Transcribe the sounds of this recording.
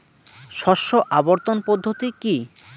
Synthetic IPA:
ʃɔʃoʔaboɾt̪onpɔd̪ʱːot̪iki

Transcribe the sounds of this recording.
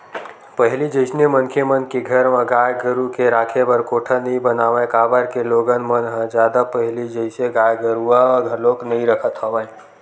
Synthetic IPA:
pəɦɪlid͡ʒəɪsnemənkʰemənkeɡʱəɾmãɡaːjɡəɾukeɾaːkʰebəɾkoːʈʰənəɦĩbənaːʋẽkaːbəɾkeloːɡənmənɦə̃d͡ʒjaːd̪apəɦlid͡ʒəɪseɡaːjɡəɾuãɡʱəɾloːknəɦĩɾəkʰət̪ɦoʋə̃

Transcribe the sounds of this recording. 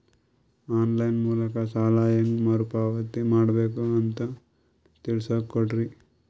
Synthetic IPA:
aːnlɐjnmuːlɐkɐsaːlaːjɐŋɡmɐɾupaːʋɐt̪imaːɽɐbeːkuɐnt̪ɐ | t̪iɭsɐkːoɖɾi

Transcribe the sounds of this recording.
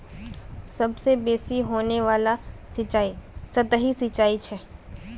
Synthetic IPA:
sɐbsebeːsiɦoːneʋaːlat͡ʃaːisɐt̪əɦisɪt͡ʃaːit͡ʃʰɛː

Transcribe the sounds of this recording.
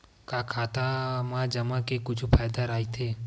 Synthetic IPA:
kakʰaːt̪amãd͡ʒəmãkekʊt͡ʃʰupʰaːjd̪aɾaːit̪ʰeː

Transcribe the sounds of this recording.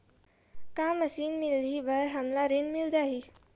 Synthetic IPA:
kaməsiːnmɪlʱibəɾɦəmlaɾenmɪld͡ʒaːɦiː

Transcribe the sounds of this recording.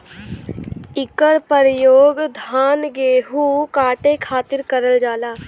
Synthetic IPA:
ɪkəɾpəɾjoːɡd̪ʱaːnɡeːɦukaːʈekʰaːt̪ɪɾkəɾəld͡ʒaːlaː

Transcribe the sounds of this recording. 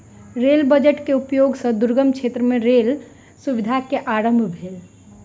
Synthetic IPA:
ɾeːlbəd͡ʒəʈkeupjoɡsə̃d̪uɾɡəmkʃʰeːt̪ɾəmẽɾeːl | suʋid̪ʱakeʔaɾə̃mbʱbʱeːl

